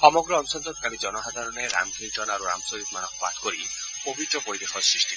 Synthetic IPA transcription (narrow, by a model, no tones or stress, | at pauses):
sɔmɔɡɾɔɔnsɔnd͡ʒɔt̪̚kaɽid͡ʒɔnɔɦad̪ʱaɾɔneɾa̰mɡʱind͡ʒɔnaɾuɾa̰msoɦit̪̚manɔkʰpa̰t̪ʰkoɾipobʱit̪ɾɔpoɾid̪exɔsɾisʈʰi